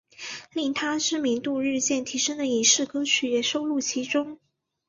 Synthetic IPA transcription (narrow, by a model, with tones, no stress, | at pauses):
li˥˩ŋt̪ʰa˥ʈ͡ʂɻ̩˥˧mi˧˥ŋt̪u˥˧ɻɻ̩˥˧t͡ɕjɛ˥˩nt̪ʰi˧˥ʂə˥ŋd̪ə˨˩i˨˩ŋʂɻ̩˥˩kɤ˥t͡ɕʰy˨˥jɛ˨˩ʂo˥ʊlu˥˩t͡ɕʰi˧˥ʈ͡ʂʊ˥ŋ